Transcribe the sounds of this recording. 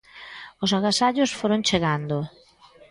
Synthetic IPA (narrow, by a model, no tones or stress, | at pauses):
ʊsaɣasaʎʊsfoɾõŋt͡ʃeɣand̪o